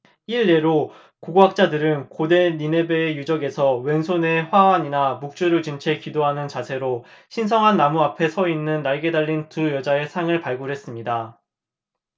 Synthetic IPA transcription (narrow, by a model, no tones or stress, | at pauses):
iɭːe̞ɾo | koɡoɦak̚t͡ɕ͈adɯɾɯnkode̞nine̞beːjud͡ʑʌɡe̞sʰʌwe̞nsʰone̞ɸwawaɲinamuk̚t͡ɕ͈uɾɯɭt͡ɕint͡ɕʰe̞kidoɦanɯnt͡ɕasʰe̞ɾoɕʰinsʰʌŋɦanːamuapʰe̞sʰʌinːɯnːaɭɡe̞daʎːintujʌd͡ʑae̞sʰaŋɯɭpaɭɡuɾɦe̞s͈ɯmɲida